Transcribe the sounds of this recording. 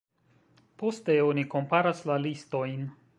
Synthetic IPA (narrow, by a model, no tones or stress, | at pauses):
po̞ste̞o̞niko̞mpaɾaslalisto̞jn